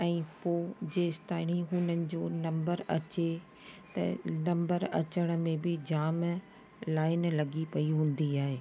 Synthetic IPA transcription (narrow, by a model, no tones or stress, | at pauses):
ɛ̃ːpoːd͡ʑeːst̪aːɪɽ̃iɦʊnənɪ̆d͡ʑoːnɐ̃mbəɾɐt͡ɕe | t̪ɐ̰nɐ̃mbəɾɐ̰t͡ɕəɽ̃ə̆mẽbɪd͡ʑaːm | laːɪnlɐɡipɐiɦũːn̆d̪iaːɦeː